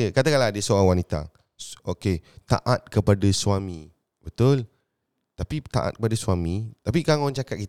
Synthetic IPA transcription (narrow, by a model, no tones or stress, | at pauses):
əkat̪akaladəsoawanit̪a̰ | oket̪a̰ʔat̪̚kəpadasuamĩ | bət̪ʊl | t̪apit̪a̰ʔa̰t̪̚kəpadasuamĩt̪apikaŋant͡ʃakat̪̚kit̪